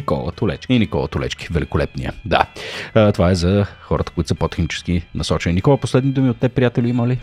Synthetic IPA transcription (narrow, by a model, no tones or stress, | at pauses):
ikɔ̰lˠə̰t̪ʊlɛ̰t͡ʃkinikɔ̰lˠə̰t̪ʊlɛ̰t͡ʃki̥vɛlikolɛp̪nḭjə̰d̪a̰t̪ovaɛzɐxɔɾʔət̪ə̥koʊit̪ʊsəpot̪ɛ̥xnit͡ʃɛ̥skinɐsɔt͡ʃɛnʲinʲikɔlˠəposlɛd̪nid̪umiot̪ːɛpɾijat̪ɛliiməli